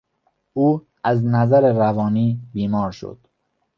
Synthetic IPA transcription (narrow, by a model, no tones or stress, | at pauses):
uː | æznæzæɾeɾævɒːniːbiːmɒːɾʃo̰d̪̥